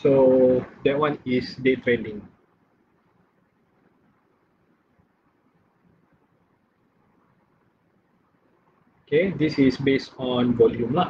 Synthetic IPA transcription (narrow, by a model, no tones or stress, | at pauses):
sodɛt̚wãnisdetɾɛ̃nĩŋ | okedisisbestɔ̃nvɔljũmla